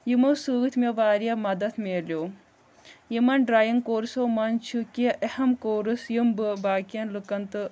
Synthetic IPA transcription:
jimɐwsɨːt̪ʰmeʋaːɾjɐmɐd̪ɐt̪ʰmelʲjoː | jimɐnɖɾaːjɐŋkoːɾsoːmɐnt͡ʃʰukiʔehɐmkoːɾɨsjimbɨbaːkijɐnlɨkɐnt̪ɨ

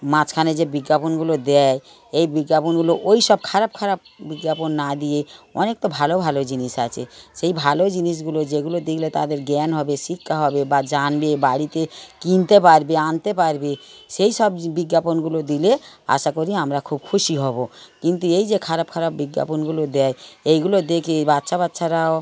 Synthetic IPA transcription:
mãt͡ɕkʰaned͡ʑebiɡːaponɡulod̪ɛ | ejbiɡːaponɡuloʔojʃɔb̚kʰaɾab̚kʰaɾab̚ | biɡːaponːad̪ieɔ̰nek̚t̪obʱalobʱalod͡ʑiniʃat͡ɕʰeʃejbʱalod͡ʑiniʃ̬ɡulod͡ʑeɡulod̪ilet̪ad̪eɾɡɛnɦɔbeʃikʰːaɦɔbebad͡ʒanbebaɽit̪ekint̪epaɾbeant̪epaɾbeʃejʃɔbbiɡjaponɡulod̪ilea̰ʃakoɾiamɾakʰub̚kʰuʃiɦɔbokint̪uejd͡ʒekʰaɾabkʰaɾabbiɡːja̰ponɡulod̪ɛjejɡulod̪ekʰebatːʃʰabat̪ːʃʰaɾao

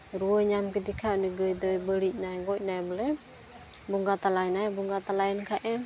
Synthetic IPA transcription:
ɾuəɲamkət̪ikʰaʔnəɡəjd̪əjbəliʔ̚najɡɔʔ̚najbəle | buŋɡat̪alajnajbuŋɡat̪alainkaʔɛ

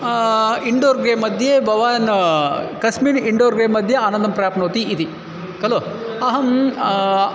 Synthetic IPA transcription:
iɳɖoːɾɡɾeːmːɐd̪ʱjebɐʋaːn | kɐsmiːniɳɖoːɾɡɾeːmɐd̪ʱjɐaːnɐnd̪ɐmpɾjaːpnoːt̪iʔːt̪i | kɐloː | ɐɦɐm

